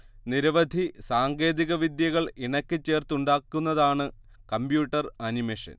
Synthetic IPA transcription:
niɾɐʋɐd̪ʱisaːŋɡe̞ːðiɣɐʋid̪jɐɣɐɭiɳɐkʲːɨt͡ɕːe̞ːrt̪uɳɖaːkːunːɐðaːɳɨ | kɐmbjuːʈːɐrɐnimeːʂɐ̰n

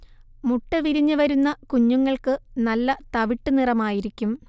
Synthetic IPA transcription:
muʈːɐʋiɾiɲːɨʋɐɾunːɐkuɲːuŋːɐɭkɨnɐlːɐt̪ɐʋiʈːɨnirɐmaːjiɾikʲːum

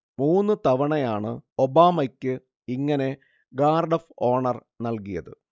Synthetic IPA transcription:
muːnːɨt̪ɐʋɐɳɐjaːɳɨ̰obaːmɐkʲːɨ | iŋːɐne̞ | ɡaːrɖɐfoːɳɐr | nɐlkijɐ̰ðɨ̰

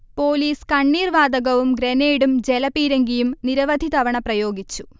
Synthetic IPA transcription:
po̞ːliːskɐɳːiːrʋaːd̪ɐɣɐʋumɡɾeneːjɽumd͡ʑelɐpiːɾeŋɡijumniɾɐʋɐd̪ʱit̪ɐʋɐɳɐprɐjo̞ːɡit͡ɕːu̥

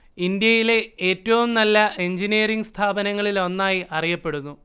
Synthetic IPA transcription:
ind̪jɐjile̞eːtːɐʋumnɐlːɐʔe̞ɲd͡ʑiniːɾiŋɡst̪ʰaːbɐnɐŋːɐɭilo̞nːaːjiʔɐrijɐpːe̞ɽunːu

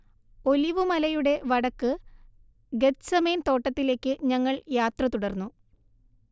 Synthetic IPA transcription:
o̞liʋɨmɐlɐjuɽe̞ʋɐɽɐkːɨ | ɡet̪sɐmeːnt̪o̞ːʈːɐt̪ːile̞ːkːɨɲɐŋːɐɭjaːt̪rɐt̪uɽɐrnːu

